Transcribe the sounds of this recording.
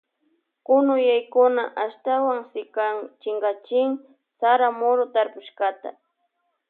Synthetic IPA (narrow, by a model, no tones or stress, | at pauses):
kʊnʊjajkʊnaʔaʃt̪awaŋsɪkat͡ʃɪŋɢat͡ʃɪŋ | saɾamoɾʊt̪aɾpʊʃkat̪a̰